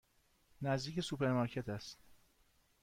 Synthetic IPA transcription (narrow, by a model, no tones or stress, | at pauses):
næzd̪iːkce̞supe̞ɾmɑɾcʰet̪ʰæst̪